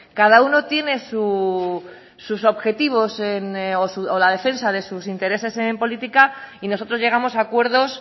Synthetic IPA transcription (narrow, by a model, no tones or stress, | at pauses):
kað̞auno̞t̪je̞ne̞su | suso̞βxe̞t̪iβ̞o̞senosuolaðe̞fe̞nsaðe̞susint̪e̞ɾe̞se̞se̞mpo̞lit̪ikaino̞so̞t̪ɾo̞zʝe̞ɣ̞amo̞sakwe̞ɾðo̞s